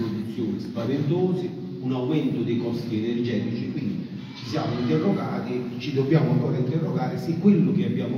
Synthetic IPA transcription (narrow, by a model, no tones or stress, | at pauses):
pod̪it̪sːjoːnɪspavent̪ɔːzɪ | unawmɛnt̪ʊd̪ekɔst̪iɛnɛrd͡ʒɛːt̪it͡ʃikwind̪i | t͡ʃisja̰ːmʊint̪ɛrːɔɡaːt̪it͡ʃːid̪ɔbjaːmʊaŋkɔːɾaint̪ɛrːɔɡaːɾɪsikːwɪlːʊk̟ɪabːjaːmʊ